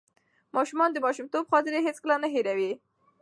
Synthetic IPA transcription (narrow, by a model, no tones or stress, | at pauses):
mɑʃumɑnd̪əmɑʃumt̪obxɑt̪ɪɾeɦet͡skəlanaɦeɾawi